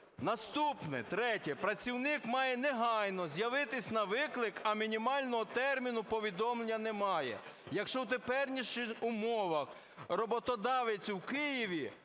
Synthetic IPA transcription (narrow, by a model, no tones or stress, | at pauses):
nɐst̪upnɪt̪ɾɛtʲɛpɾɐt͡sʲiwnɪkmɑjɛnɛɦɑjnɔzʲjɐʋɪt̪ɪsʲnɐʋɪklˠɪkɐmʲinʲimɑlʲnɔɦɔt̪ɛrmʲinʊpɔʋʲid̪ɔmlˠenʲːɐnɛmɑjɛ̰jɐkʃt͡ʃɔwt̪epɛrnʲiʃɪxʊmɔʋɐx | rɔbɔt̪ɔd̪ɑʋet͡sʲwkɪjiʋʲi